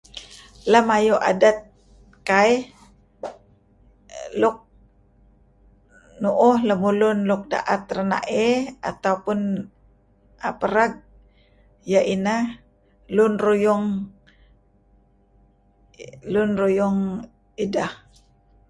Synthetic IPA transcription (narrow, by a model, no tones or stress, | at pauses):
lamajuʔa̰dat̪̚ | kai | lʊk̚ | nuʔʊhləmulʊnlʊk̚da̰ʔat̪̚rəna̰ʔea̰t̪awpʊn | apəɾaɡ̚ | jaʔina | lʊnrujʊŋ | lʊnrujʊŋ | idah